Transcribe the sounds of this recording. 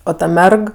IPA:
ˈoː ˈtɐ ˈmʲɛrk

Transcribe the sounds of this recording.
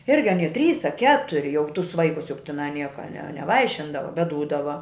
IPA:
ˈɪrʲɡʲɪ ɐˈnʲiɛ ɐ tʲrʲiːs ɐ ˈkʲæːtʊrʲɪ jɛʊ tʊs ˈʋɐɪkʊs jʊk tʲɪˈnɐɪ ˈnʲiɛkɐ nʲɛ nʲɛˈʋɐɪʃʲɪndɐʋɐ bʲɛt duːdɐʋɐ

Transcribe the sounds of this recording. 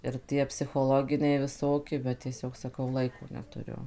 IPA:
ɪr ˈtʲiɛ pʲsʲɪxoːˈlˠoːɡʲɪnʲɛɪ ʋʲɪˈsoːkʲɪ bʲɛt tʲiɛˈsʲoːk sɐˈkɐʊ ˈlˠɐɪkoː nʲɛtʊˈrʲʊ

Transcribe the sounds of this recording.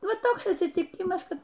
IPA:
ˈʋɐ ˈtoːks ɐtʲsʲɪtʲiːˈkʲɪmɐs ˈkɐt

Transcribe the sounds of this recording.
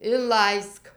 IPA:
ɪnˈlˠɐɪsk

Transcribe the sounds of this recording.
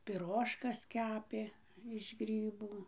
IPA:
pʲɪˈroːʃkɐs ˈkʲæːpʲeː ɪʃ ˈɡrʲiːbuː

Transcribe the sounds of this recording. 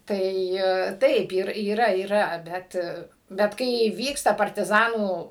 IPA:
ˈtɐɪ ˈtɐɪp ɪr iːˈrɐ iːˈrɐ ˈbʲɛt bʲɛt ˈkɐɪ ˈʋʲiːkstɐ pɐrʲtʲɪˈzɑːnuː

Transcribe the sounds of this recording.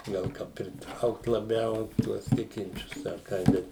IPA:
ˈɡɐlˠ ˈkɐ pʲrʲɪˈtrɐʊkt lˠɐˈbʲɛʊ ˈtuɔs ˈtʲɪkʲɪnʲt͡ʃʲʊs ɐr ˈkɐɪ ˈbʲɛt

